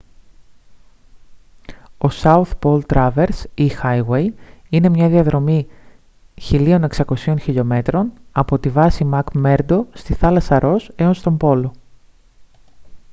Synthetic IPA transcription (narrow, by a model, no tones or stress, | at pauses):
o̞sɐuθpo̞lt̪ɾɐve̞ɾsixɐjwe̞jine̞mɲɐðiɐðɾo̞mi | çilio̞ne̞ksɐko̞sio̞nçiʎo̞me̞t̪ɾo̞nɐpo̞t̪ivɐsimɐkme̞ɾd̪o̞st̪iθɐlɐsɐɾo̞se̞o̞nst̪o̞mbo̞lo̞